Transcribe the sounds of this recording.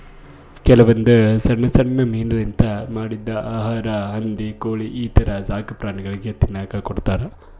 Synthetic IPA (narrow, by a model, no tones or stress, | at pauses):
kɛlɐʋɐnd̪usɐɳːɐsɐɳnːɐmiːnɐlint̪ɐmaːɽid̪ːɐʔaːɦaːɾɐɦɐnd̪ikoːɭiʔiːt̪ʰɐɾɐzaːkɐpɾaːɳiɡɐɭiɡe̞t̪inːaːkɐkoɽt̪aːɾe